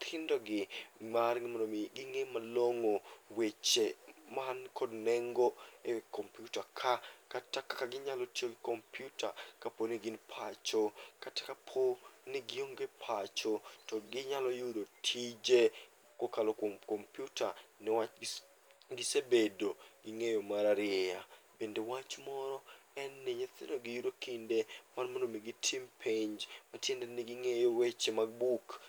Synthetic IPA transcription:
t̪ʰɪndɔɡɪmarɡɪmanomiɡɪŋemaloŋowet͡ʃemankʰodnɛŋɡoekompjutakʰakatakakaɡɪɲalotioɡɪkompʰjutʰakaponɪɡɪnpʰat͡ʃokatḁkapʰonɪɡɪoŋɡepʰat͡ʃotɔɡɪɲalɔjudotʰid͡ʒe | kokalɔkmkompjutʰanɪwa | ɡɪsebedoɡɪŋejomaɾaɾɪɛabendewat͡ʃmɔɾɔɛnːeɲet̪ɪnoɡɪjuɾokindemanmonomiɡɪtʰimpʰeɲd͡ʒmatjendenɪɡɪŋejowet͡ʃemaɡ̚buk

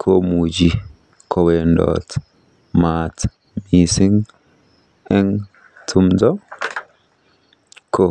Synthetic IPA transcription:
kʰomud͡ʒi | kʰɔwendɔ̰t | mat | misiŋ | ɛŋ | tʰumdɔ | ko

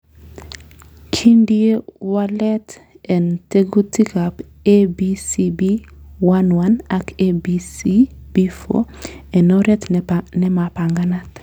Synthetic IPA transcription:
kʰindiewalɛt | ɛnteɡutikap | ebisibiwanwanakebisibifo̰ɛnɔɾɛt̪nɛmapaŋɡanat̪

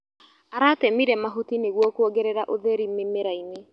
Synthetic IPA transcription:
aɾatɛmiɾɛmaɦutineɣwɔkooɡɛɾɛɾaʔoðɛɾimemeɾaine

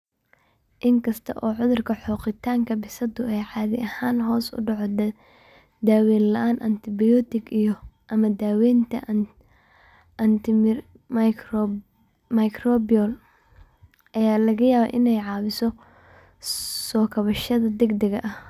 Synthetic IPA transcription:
ʔɪŋkʰɐst̪ʰɐʔɔːʕʊðʊrkʰɐħɔːqɪt̪ʰaːŋkʰɐbɪsɐd̪ʊɛjʕɑːðɪʔɐhaːnɦɔːsʊ̰ɖɑʕɔd̪ | d̪aːwɛːnlɐʔaːnʔɐ̰nt̪ʰɪbɪjɔt̪ɪɡijɔʔɐmɐd̪aːwɛːnt̪ʰɐ̰ | ʔɐnt̪ʰɪ | m | mɐjkrɔbɪɔl | ʔɐjaːlɐɣɐjaːβɛ̰ʔɪnɛjʕɑːwɪsɔ | sɔːkʰɐβɐʃɐðɐd̪ɛɡd̪ɐɣɐʔɐh

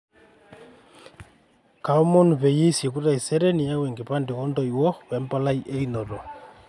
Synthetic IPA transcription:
kaomonupejesjekuɾaiseɾɛnijaweŋɡepandeɣɔndɔiwɔwɛmpalaiʔeinɔɾɔ

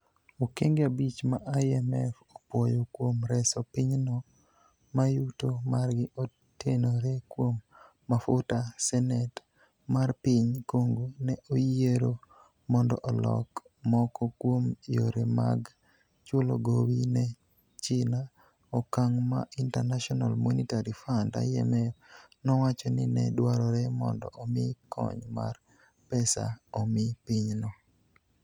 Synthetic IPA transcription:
okeŋɡeabit͡ʃmaʔajɛmɛ̰fopwɔjokwomɾɛsɔpiɲnɔ | majutomarɡɪʔo | tenoɾekwomː | afʊtasɛnɛt | marpiɲkoŋɡonɛʔojeɾo | mɔndɔ̰ʔɔlɔ̰k | mɔkɔkwomijoɾema̰ɡ | t͡ʃʊlo̰ɡowinɛ | t͡ʃɪna | ɔkaŋma̰ʔintarnaʃɔnalmonitaɾifanda̰jɛ̰mɛ | nɔwat͡ʃɔnɪnɛ̰dwaɾɔɾɛmɔ̰ndɔ̰ʔɔmɪkɔ̰ɲma̰r | pɛsa̰ɔmɪpiɲnɔ

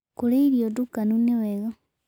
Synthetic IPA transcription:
kuleiɾjodukanuniweɣa

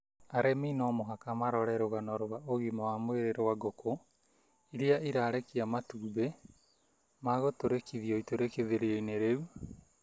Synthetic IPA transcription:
aɾɛminɔmoɦakamaɾɔɾɛɾoɣanɔɾoβaoɣimaamoeɾeɾɔwaɡoko | iɾiaiɾaːɾekiamatuːbe | maɣotoɾekiðioitoɾekeðeɾeeineɾeu

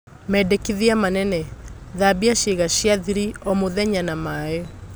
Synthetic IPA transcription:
mɛdekiðiamanɛnɛðabiaʃeɣaɕjaðiɾiɔmoðɛɲanamaːe

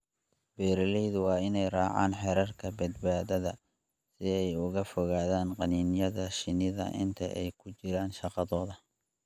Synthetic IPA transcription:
b̥ɛːɾɐlɛjðʊwɑːɪnɛjrɑːʕa̰ːnħɛɾɐrkʰɐbɐd̪baːðɐðɐ̰ | sɪɛjʊɣɐfɔɣaːðaːnqɑniːnjɐðɐʃɪnɪðɐ̰ʔɪ̰nt̪ʰɐ̰ʔɛ̰jkʰʊt͡ʃɪɾaːnʃɑqɑðɔːðɐ

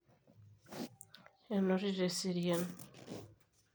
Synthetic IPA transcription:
enoɾiɾesiɾjen

